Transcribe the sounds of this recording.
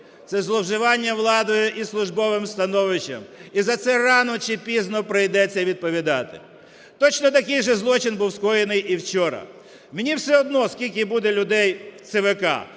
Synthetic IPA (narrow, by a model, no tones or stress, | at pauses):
t̪sɛzlˠɔwʒɪʋɑnʲːɐʋlˠɑd̪ɔjʊʔislˠʊʒbɔʋɪmst̪ɐnɔʋɪt͡ʃɐ̰mizɐt̪sɛrɑnɔt͡ʃɪpʲiznɔpɾɪjd̪ɛt͡sʲːɐʋʲid̪̚pɔʋʲid̪ɑt̪ɪ̥̰ | t̪ɔt͡ʃnɔt̪ɐkɪjʒɛzlˠɔt͡ʃɪnbuwskɔjenɪjʔiwt͡ʃɔɾɐ̰ | menʲiwsɛɔd̪̚nɔskʲilʲk̬ʲɪbud̪elʲʊd̪ɛjwt̪seʋɪkɑ̰